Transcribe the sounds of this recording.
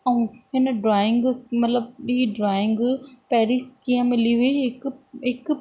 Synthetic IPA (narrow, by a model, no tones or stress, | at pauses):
ɐũɦɪnəɖɾaːɪ̃ŋɡmɐt̪ləb̚iɖɾaːɪ̃ŋɡpɛɦɾiskiːə̃mɪliɦeɦɪkɪk